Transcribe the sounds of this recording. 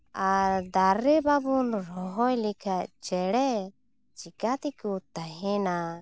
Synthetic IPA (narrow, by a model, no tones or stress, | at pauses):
aɾd̪aɾːɛbabunɾɔɦɔjlikʰaʔt͡ʃɛɽɛ | t͡ʃikat̪ikut̪aɦɛna